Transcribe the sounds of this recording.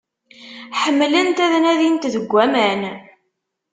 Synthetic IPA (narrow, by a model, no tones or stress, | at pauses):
ħəmːlənt̪æðnæðint̪ðəɡʷːæmæn